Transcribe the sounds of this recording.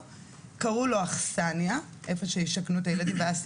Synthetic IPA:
kaʁuloaχsanja | ʔefoʃejiʃaknuetajeladimbeas

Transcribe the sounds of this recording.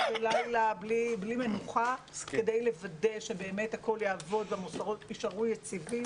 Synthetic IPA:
ulajlabliblime̞nuχa | ke̞dejle̞vade̞ʃe̞be̞ːme̞thako̞ljaːvo̞d̪vamusaʁotiʃaʁujet͡sivi

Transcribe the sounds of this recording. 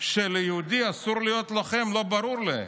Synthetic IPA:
ʃelejeud̪iasuɾlijot̪laχe̞mlo̞baɾuɾlḛ

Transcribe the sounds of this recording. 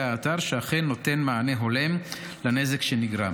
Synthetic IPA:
aːtaʁʃeaχenːo̞te̞nmaaneɦo̞le̞m | lane̞zekʃeniɡʁa̰

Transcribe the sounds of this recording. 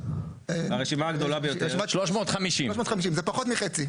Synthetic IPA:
aʁeʃimaːɡd̪o̞labejoemaʃloʃmot̪χamiʃimoʃmot̪χamiʃ̬imzepaχot̪miχet͡si

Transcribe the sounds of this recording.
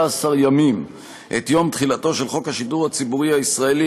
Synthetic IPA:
asaʁjamim | ʔet̪jo̞mt̪χilato̞ʃe̞lχo̞khaʃiduʁhat͡sibuʁihaisʁaeli

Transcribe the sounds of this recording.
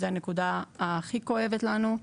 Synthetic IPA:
zeanekud̪aaχiko̞e̞vet̪lanu

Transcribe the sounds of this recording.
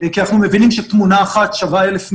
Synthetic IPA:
kianaχnume̞vinimʃet̪munaːχat̪ʃavaelefm

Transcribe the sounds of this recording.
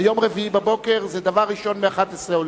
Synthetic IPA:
jomʁeviibabokeʁzɛd̪avaʁːiʃo̞nmeaχat̪esʁeol

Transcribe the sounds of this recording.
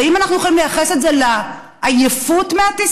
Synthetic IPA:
imanaχnujo̞χalimlejaχe̞setzela | ʔajefutmeatis

